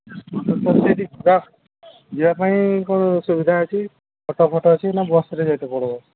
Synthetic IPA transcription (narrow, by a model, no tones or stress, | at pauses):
ɔt̪ɔpɔt̪et̪iɡa | d͡ʒiwapaĩkɔnɔsubid̪ʱaat͡ʃʰi | pʰɔʈɔpʰɔʈɔːt͡ʃʰinabɔsɾed͡ʒajt̪ɔpɔɽɔbɔ